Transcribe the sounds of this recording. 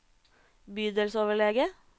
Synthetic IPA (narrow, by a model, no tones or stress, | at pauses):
byːd̪əlsoːʋəɭɛɡə